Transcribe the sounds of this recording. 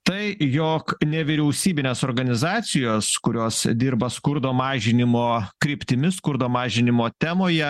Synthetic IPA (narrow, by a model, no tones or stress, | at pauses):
t̪ɐɪjoknʲɛʋʲɪɾʲɛʊsʲiːbʲɪnʲeːsoːɾɡɐnʲɪzɑːt̪sʲɪjoːskʊɾʲoːsd̪ʲiɾbɐskʊɾd̪oːmɑːʒʲɪnʲɪmoːkɾʲɪpʲt̪ʲɪmʲɪskʊɾd̪oːmɑːʒʲɪnʲɪmoːt̪ʲæmoːjɛ